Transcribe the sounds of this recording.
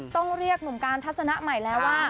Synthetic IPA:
t̪ɔ˥˩ŋɾi˥˩ək̚nu˨˩˦mkaː˧nt̪ʰa˦˥t̪̚sa˧na˦˥ʔma˨˩jlɛː˦˥wwaː˥˩

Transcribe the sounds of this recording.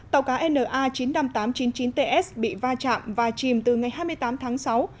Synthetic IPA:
t̪a˨˩wkaː˨˦ʔɛ˧nʔəː˨˩ʔaː˧t͡ɕi˨˦nna˧mt̪aː˨˦mt͡ɕi˨˦nt͡ɕi˨˦nt̪e˧ʔɛ˦˥sɓḭ˧˨vaː˧t͡ɕa̰ː˧˨mvaː˨˩t͡ɕi˨˩mt̪ɨ˨˩ŋa˨˩jɦaː˧jmɨ˧əjt̪aː˨˦mt̪ʰaː˨˦ŋsa˨˦w

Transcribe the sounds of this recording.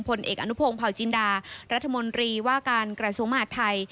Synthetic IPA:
ŋpʰo˧nʔḛː˨˩k̚ʔa̰˧nu˦˥pʰoː˧ŋpʰa˨˩wt͡ɕi˧ndaː˧ɾa˦˥t̪ʰːa˧mo˧nt̪ɾiː˧waː˥˩kaː˧nkɾa˧su˩əŋma˧ɦaː˨˩t̪ʰːa˧j

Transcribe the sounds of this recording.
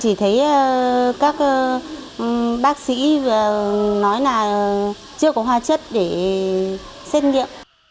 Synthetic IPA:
t͡ɕi˧˩t̪ʰə˨˦jə˩kaː˦˥k̚ː | ɓaː˦˥k̚sḭ˧˥vaː˨˩nɔ˨˦jlaː˨˩˨ | t͡ɕɨ˧əkɔ˨˦ɦwaː˧t͡ɕə˦˥t̚ɗe˧˩ | sɛ˦˥t̚ŋḭ˧˨əʔ

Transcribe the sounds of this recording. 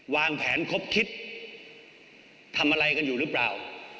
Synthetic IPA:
waː˧ŋpʰɛː˩˦nkʰo˦˥p̚kʰi˦˥t̪̚ | a˧mʔa˧ɾa˧jka˧njuː˨˩ɾɯ˦˥plaː˨˩w

